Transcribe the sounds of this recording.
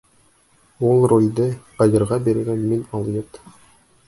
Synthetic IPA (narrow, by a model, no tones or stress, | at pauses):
ulˠrolʲd̪ɤqɑjɤ̆ɾʁɑbeɾɘ̆ɡænminɑlˠjɤt̪